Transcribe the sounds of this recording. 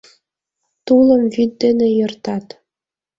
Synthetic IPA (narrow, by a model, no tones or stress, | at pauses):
t̪ulˠɤ̆mvid̪̚ːĕnĕjɤ̆rt̪ɑt̪